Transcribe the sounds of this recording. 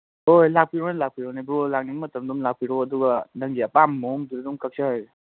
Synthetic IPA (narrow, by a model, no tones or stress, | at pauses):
ojlak̚piɾɔnalak̚pʰiɾɔnabɾolak̚ninmɐtəmdumlak̚pʰiɾɔɐduɡɐnaŋɡiɐpamːɔŋduɾdumkʰək̚səhaj